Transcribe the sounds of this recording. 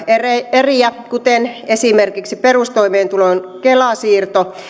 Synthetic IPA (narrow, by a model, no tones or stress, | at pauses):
ereeriækut̪enesimerkiksiperust̪oimeːnt̪ulonkelɑsiːrt̪o